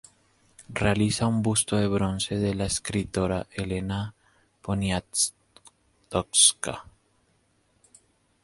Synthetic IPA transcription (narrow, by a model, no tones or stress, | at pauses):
realisaumbust̪oðe̞βɾo̞nse̞ðelaeskɾit̪o̞ɾaʔelena | ponja | t̪okska̰